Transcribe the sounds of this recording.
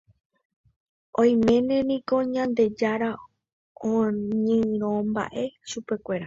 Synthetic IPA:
õj̃mẽ̞nẽ̞nĩko̞ɲãnd̪e̞d͡ʒaɾa | õɲɨ̃ɾ̃õmba̰ʔe̞ʃupe̞kʷe̞ɾa

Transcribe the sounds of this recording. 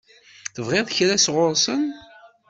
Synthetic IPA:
θəvʁeðˤçɾæsʁʊɾsən

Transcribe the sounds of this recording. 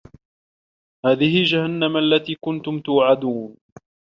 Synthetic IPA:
haːðɪhɪld͡ʒahanːamʔalːat̪iːkʊnt̪ʊmt̪ʊwʕad̪uːn

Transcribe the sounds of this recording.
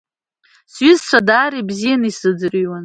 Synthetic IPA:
sɥɪzt͡ʃʷʰadaːɾibzijanisɨd͡zɨriwan

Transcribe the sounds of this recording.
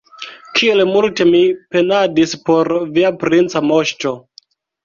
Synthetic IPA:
kʰie̞lmulte̞mipe̞nadispo̞ɾviapɾint͡samo̞ʃto̞

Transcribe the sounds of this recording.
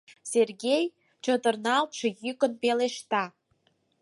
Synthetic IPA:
serɣʲej | t͡ɕot̪ə̆rnɑlt̪ʃĕjykə̆npeleʃt̪ɑ

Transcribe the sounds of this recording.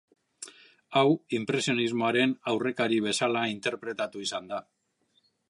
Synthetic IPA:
awimpɾe̞sio̞nizmo̞aɾe̞nawre̞kaɾiβ̞e̞salaint̪e̞ɾpɾe̞t̪at̪uisand̪a

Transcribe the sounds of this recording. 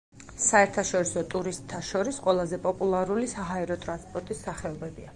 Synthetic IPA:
saɛɾt̪ʰaʃɔɾisɔt̪ʼuɾist̪ʰːaʃɔɾisqʼwɛlˠazɛpʼɔpʼulˠaɾulisaɦaɛɾɔt̪ʼɾanspʼɔɾt̪ʼisːaχɛɔbɛbia

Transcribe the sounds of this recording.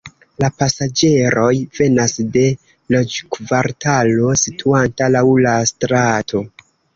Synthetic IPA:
lapasad͡ʒe̞ɾo̞jve̞nasde̞ | lod͡ʒkvaɾtʰalo̞sitʰuantalawlastɾatʰo̞

